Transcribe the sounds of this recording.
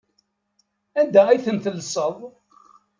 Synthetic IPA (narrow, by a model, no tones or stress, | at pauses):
ænd̪æijθənθəlsˤəðˤ